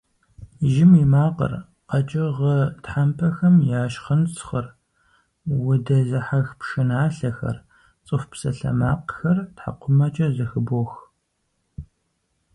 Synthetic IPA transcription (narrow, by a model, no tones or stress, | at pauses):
ʒɪmimaːqə̰r | qɐt͡ʃʼɐʁətħampʰɐxɐmjaːʃχənt͡sʰχɐr | wʊdɐzɐħaxpʂɨnaːɬɐxɐ̰r | t͡sʼɨfpsɐ̰ɬɐ̰maːqxɐrtħa̰qʷʰʊmɐt͡ʃʼɐzɐxɨbox